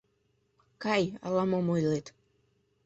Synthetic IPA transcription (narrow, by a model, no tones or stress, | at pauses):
kaja̰lˠɑmomojlˠet̪